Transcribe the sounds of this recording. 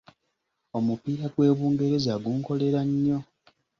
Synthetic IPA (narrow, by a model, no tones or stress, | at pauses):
o̞mupiːɾaɡwe̞ːβuːŋɡe̞ɾe̞zaɡuːŋko̞le̞ɾaɲːo̞